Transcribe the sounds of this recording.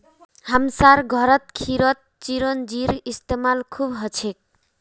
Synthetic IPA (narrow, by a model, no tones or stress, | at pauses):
hamsaɾɡʱʌɾʌt̪̚kʰiɾʌt̪̚t͡ʃiɾond͡ʒiɾist̪emalkʰubɦʌt͡ʃʰek̚